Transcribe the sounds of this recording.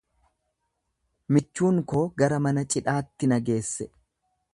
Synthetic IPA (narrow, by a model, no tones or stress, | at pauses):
mɪt͡ʃːuːŋko̞ːɡɐɾɐmɐnɐt͡ʃʼɪᶑaːt̪ːɪnɐɡe̞ːsːɛ